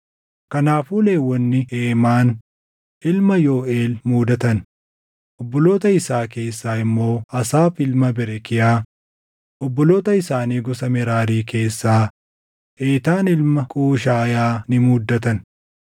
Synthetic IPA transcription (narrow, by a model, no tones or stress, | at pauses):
kɐnaːfuːle̞ːwːɔnːɪeːmaːn | ʔɪlmɐjo̞ːe̞ːlmuːd̪ɐt̪ɐn | ʔɔbːɔlo̞ːt̪ɐɪsaːke̞ːsːaːɪmːo̞ːɐsaːfɪlmɐbɪɾɛkɪjaː | ʔɔbːɔlo̞ːt̪ɐɪsaːniːɡɔsɐmɛɾaːɾiːkʰe̞ːsːaː | ʔeːt̪aːnɪlmɐkʼuːʃ̬aːjaːnɪmuːd̪ːɐt̪ɐn